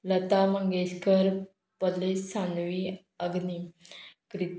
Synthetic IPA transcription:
lət̪aməŋɡeɕkəɾ | pəlessanʋi | əɡnikɾit̪

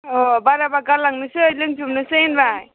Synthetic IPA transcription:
obaɾabakaɾlaŋnɯsɯjlɯŋt͡ʃʰumnɯsɯnbaj

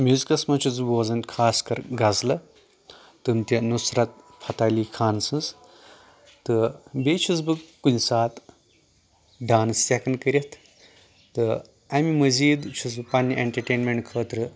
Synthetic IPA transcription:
mʲjuzikɐsmɐt͡ʃʰuzboːzɐnkʰaːskɐɾɡazlɐ | t̪ɨnt̪ʲɐnusɾɐt̪̚ | pʰɐt̪aːliːkʰaːnsɨz | t̪ɨbet͡ʃʰuzbɨɡkunʲsaːt̪ | ɖaːnstʲekɐnkəɾʲɐt̪ʰ | t̪ɨ | amimɐziːd̪t͡ʃʰuzpanːiʔeɳʈɐɾʈeːnmeɳʈkʰəːt̪ɾɨ

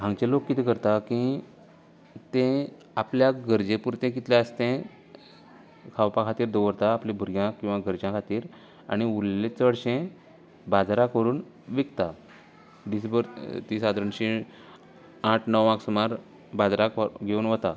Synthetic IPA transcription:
ɦãŋɡt͡ɕẽlokːit̪ʰikəɾt̪aki | t̪ẽ | apljaɡʱəɾd͡ʑepuɾt̪ẽk̬it̪ljaəst̪ẽ | kʰawpãkʰat̪iːɾd̪oəɾt̪aːplẽbʱuɾjãkĩw̃ʋaɡəɾd͡ʑãkʰat̪iːɾ | a̰ɽ̃iulːet͡səɽɕẽ | bad͡zɾakʋəɾuːn | ʋikt̪a | ɖis̬bəɾt̪iːsad̪ɾəɳɕi | aʈʰnəwaksumaɾ | bad͡zɾakɡʱeuːnʋət̪a

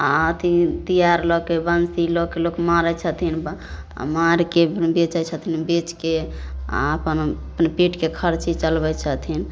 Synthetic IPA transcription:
aət̪ʰit̪ijaɾlɔkebənsilokelokmaɾɛt͡ʃʰət̪ʰin̰ | maɾkebet͡ʃət͡ʃʰət̪ʰinbet͡ʃkea̰əpənpnepiʈkekʰəɾt͡ʃit͡ʃəlbɛt͡ʃʰət̪ʰin

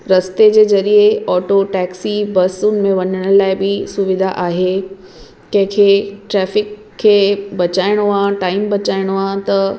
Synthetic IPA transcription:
ɾɐst̪ed͡ʑeːzɐɾieɔːʈoʈɛːksibɐsʊnɪ̆mẽʋɐɲəɽ̃əlaːɪbɪsʊʋɪd̪ʱaʔaːɦe | kɐ̃ɦɪ̃kʰeːʈɾɛːfɪkʰː | eːbɐt͡ɕaːɪɽ̃oãːʈaːɪmbɐt͡ɕaːɪɽ̃oãːt̪ɐ

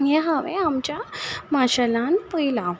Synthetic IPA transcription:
eɦəʋeamt͡ɕjamaɕalanpəila

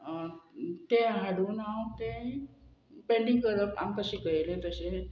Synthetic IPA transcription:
t̪eɦaɽuːnawt̪ẽ | peɳɖiŋkəɾəpa̰mkəɕikəjlẽt̪əse

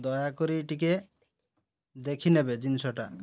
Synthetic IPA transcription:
d̪ɔjakɔɾiʈik̬e | d̪ekʰinɛbed͡ʒinsɔʈa

